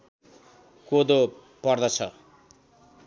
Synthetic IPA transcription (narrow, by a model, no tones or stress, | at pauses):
kod̪o | pʌrd̪ʌt͡sʰʌ̰